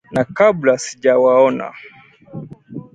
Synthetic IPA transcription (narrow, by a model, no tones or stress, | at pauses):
nakablasiʄawaɔna̰